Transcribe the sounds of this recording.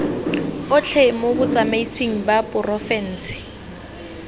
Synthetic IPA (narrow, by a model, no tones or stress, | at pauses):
ʊt͡ɬʰɛmobʊt͡sʼamaisiŋ̩bapʼʊrɔfɛn̩ːsɪ̥